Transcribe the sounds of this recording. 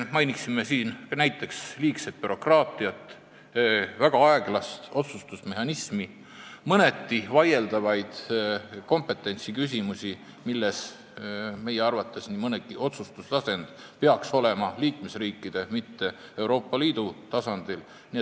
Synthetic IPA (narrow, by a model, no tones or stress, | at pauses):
mɑjniksimːe̞siːnnæjt̪ːˑe̞ksliːkse̞t̪̚pyɾo̞krɑːt̪ːˑiɑt̪ːˑ | væɡ̥ɑɑeɡ̥lɑst̪o̞t̪sust̪usme̞ɦɑnismi | mɤne̞t̪ːivɑje̞ld̪ɑvɑjd̪̥ko̞mpe̞t̪ːˑe̞nʲt̪sikys̬ʲimusʲi | milːe̞s | me̞jeɑrvɑt̪ˑːe̞snimɤneɡiʔo̞t̪sust̪uslɑse̞nd̪̥ | peɑkso̞le̞mɑliːkmesriːkːid̪̥e̞mit̪ːe̞e̞wɾo̞ːpːˑɑliːd̪̥ut̪ɑsɑnd̪̥il | nie